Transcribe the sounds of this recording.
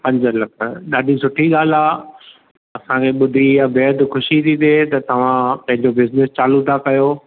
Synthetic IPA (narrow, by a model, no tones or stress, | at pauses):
pɐ̃ɲd͡ʑlɐkʰəɗaːɗʱisʊʈʰiɠaːl̤aː | ɐsãkʰeɓʊd̪ʱijabeːəd̪xʊʃit̪ʰit̪ʰet̪ɐt̪ɐʋ̤ãpɐ̃ɦɪ̃ɲd͡ʑobɪznɪst͡ɕaːlut̪ʰakɐjoː